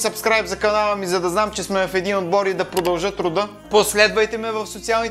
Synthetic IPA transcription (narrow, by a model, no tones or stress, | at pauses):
sɐpskɾajpzɐkɐnalˠəmizɐd̪ɐznamt͡ʃɛsmɛvɐfɛd̪inod̪̚bɔɾid̪ɐpɾod̪ɐlˠʒɤt̪ɾʊd̪ɤ | poslɛd̪vɐjt̪ɛmɛvɐfsot̪sialˠnit